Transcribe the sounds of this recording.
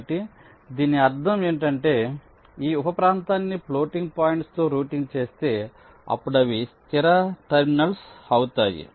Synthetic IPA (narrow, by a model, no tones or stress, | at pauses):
ʈi | d̪iːniɐɾd̪ʰʱɐme̞ːɳʈɐɳʈe̞ː | iːupɐpɾaːnt̪aːnːiplo̞ːʈiŋɡ̚paːjiɳʈst̪oːɾuːʈiŋɡt͡ʃe̞ːst̪e̞ː | ɐ̰pːuɽɐʋist̪iɾɐʈɐɾminɐlsɐwut̪aːjḭ